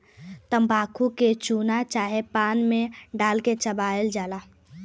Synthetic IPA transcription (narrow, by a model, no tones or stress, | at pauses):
t̪əmbaːkʰuket͡ʃuːnat͡ʃaːɦepaːnmẽɖaːlket͡ʃəbaːəld͡ʒaːlaː